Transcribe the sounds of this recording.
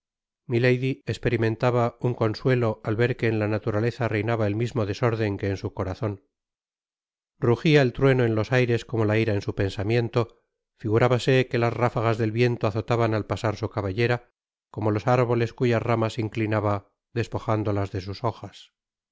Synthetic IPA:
milejðiekspe̞ɾimẽ̞nt̪aβauŋko̞nswe̞lo̞ʔalβe̞ɾke̞ːnlanat̪uɾale̞θare̞jnaβae̞lmizmo̞ðe̞so̞ɾðe̞ŋke̞ːnsuko̞ɾaθo̞n | ruxiaelt̪ɾwe̞no̞e̞nlo̞sajɾe̞sko̞mo̞laiɾaensupe̞nsamje̞nt̪o̞ | fiɣuɾaβase̞ke̞lazrafaɣazðe̞lβje̞nt̪oaθo̞t̪aβanalpasaɾsukaβaʎe̞ɾa | ko̞mo̞lo̞saɾβo̞le̞skuʝazramasiŋklinaβa | ðe̞spo̞xand̪o̞lazðe̞s̬uso̞xas

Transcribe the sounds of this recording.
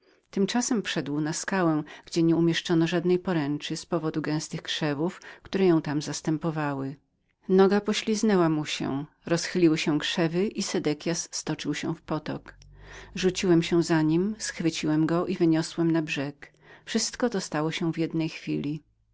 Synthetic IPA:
t̪ɘmt͡ʂasɛmpʂɛd̪wnaskawɛ̃ɡ̥d͡ʑɛɲɛumʲjɛʂt͡ʂɔnɔʐad̪nɛjpɔɾɛ̃nt͡ʂɘspɔvɔd̪uɡɛ̃w̃st̪ɘxkʂɛvufkt̪uɾɛjɔ̃w̃t̪amzast̪ɛmpɔvawɘ | nɔɡapɔɕlʲiznɛwamuɕɛ̰ | ɾɔsxɘlʲiwɘɕɛ̃kʂɛvɘʔisɛd̪ɛkʲjasːt̪ɔt͡ʂɘwɕɛ̰̃fpɔt̪ɔ̰kʐut͡ɕiwɛmɕɛ̃zaɲimsxfɘt͡ɕiwɛmɡɔʔivɘɲɔswɛmnabʐɛk | fʂɘst̪kɔt̪ɔst̪awɔɕɛ̃vʲjɛd̪nɛjxfʲilʲi

